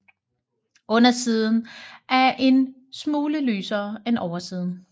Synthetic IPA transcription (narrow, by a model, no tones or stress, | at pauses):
ɔ̽nɐsiːð̞ˠn̩ʔæɐʔe̝n | smuːləlyːsɐːenʔɒʊɐsiːð̞ˠn̩